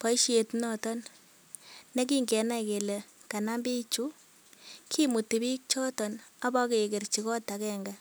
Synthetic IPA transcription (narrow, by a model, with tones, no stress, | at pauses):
pɔ˨˦i˦ʃi˦e˨tnɔ˦tɔ˦nː | e˦k̬i˦ŋɡɛ˨na˦i˨ke˨le˨ka˨na˦mbi˦t͡ʃu˦ | kʰi˦mu˨ti˨bi˦k̚t͡ʃɔ˦tɔ˨na˦bɔ˦ke˨ke˨rt͡ʃi˨kɔ˦ta˨kɛ˦ŋɡa˨